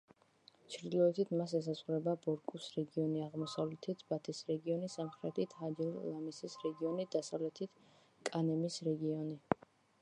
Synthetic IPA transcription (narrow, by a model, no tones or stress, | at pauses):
t͡ʃʰɾd̪ilˠɔɛt̪ʰit̪ʰmas̬ɛs̬azʁuɾɛbabɔɾkʼusɾɛɡiɔniaʁmɔsavlɛt̪ʰibat̪ʰisɾɛɡiɔnisamχɾɛt̪ʰit̪ʰad͡ʒɛɾlamisisɾɛɡiɔnid̪̥asavlɛt̪ʰit̪ʰ | kʼanɛmisɾɛɡiɔni